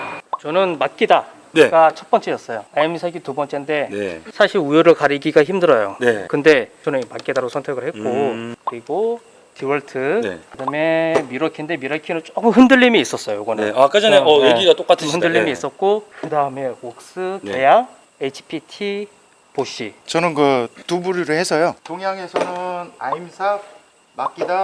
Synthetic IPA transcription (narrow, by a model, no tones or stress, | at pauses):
t͡ɕʌnɯnmak̚k͈ida | neɡat͡ɕʰʌt̚p͈ʌnt͡ɕ͈e̞jʌs͈ʌjoaemisʰaɡitubʌnt͡ɕ͈ende̞sʰaɕʰiɾujoɾɯɭkaɾiɡiɡaçimdɯɾʌjonekɯnde̞t͡ɕʌnɯnmak͈idaɾosʰʌntʰe̞ɡɯɭhet̚k͈okɯɾiɡo | tʰiwʌɭtʰɯ̰kɯdame̞miɾʌkʰinde̞miɾʌkʰinɯnt͡ɕ͈okɯmɦɯndɯʎːimiːs͈ʌs͈ʌjojoɡʌneak͈ɯd͡ʑʌneʌeɡiɡat͈ok͈atʰɯɯndɯɭːimiːs͈ʌt̚k͈okɯdaɯme̞ok̚s͈ɯke̞jaŋ | et͡ɕʰi̥pʰitʰi | poɕ͈ʰit͡ɕʌnɯnkɯtubuɾiɾɯhe̞sʰʌjotoŋjaŋe̞sʰʌnɯnaimsʰa | mak͈ida